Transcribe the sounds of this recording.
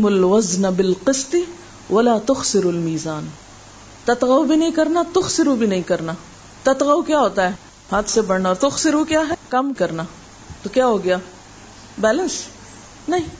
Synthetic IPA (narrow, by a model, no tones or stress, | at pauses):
mʊlwɐznabɪlqɪst̪ɪ | wɐlaːt̪ʊxsɪɾʊlmiːzaːn | t̪ɐt̪ɣawbʱinɐɦĩkɐɾnat̪ʊxsɪɾubʱinɐɦĩkɐɾna | t̪ɐt̪ɣawkjaːɦoːt̪aɦɛː | haːt̪ʰsebɐɽnaɔːɾt̪ʊxsɪɾukjaːɦɛkɐmkɐɾna | t̪okjaːɦoːɡɐjaː | bɛːlə̃ns | nɐɦĩː